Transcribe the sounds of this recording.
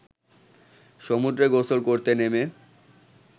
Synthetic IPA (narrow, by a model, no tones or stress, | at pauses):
ʃomud̪ɾeɡosolkoɾt̪eneme